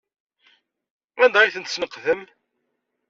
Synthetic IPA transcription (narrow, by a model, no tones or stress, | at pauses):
ænd̪ʁajθənt̪snəqːðəm